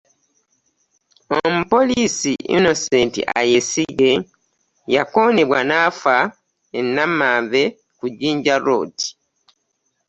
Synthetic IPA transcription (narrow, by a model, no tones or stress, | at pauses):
omupo̞lisiḭno̞sentḭʔajesiɡe | jakone̞βwanaːfa | enːamaːβe̞ | kuɟːiːɲɟaɾo̰ːti̥